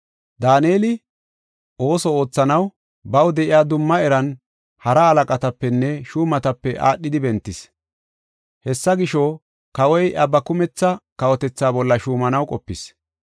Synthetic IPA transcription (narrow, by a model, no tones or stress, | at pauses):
d̪aːneːlɪ | o̞ːsɔo̞ːt͡sːɐnɐw | bɐwd̪ɛʔɪjaːd̪ʊmːɐɛɾɐn | hɐɾɐɐlɐkʼɐt̪ɐpːɛnːɛʃuːmɐt̪ɐpːɛʔaːɗːɪd̪ɪbɛnt̪ːɪs | hɛsːɐɡɪʃɔ | kɐwɔjʔɐbɐkʊmɛt͡sːɐkɐwɔt̪ɛt͡sːaːbɔlːɐʃuːmɐnɐwkʼɔpːɪs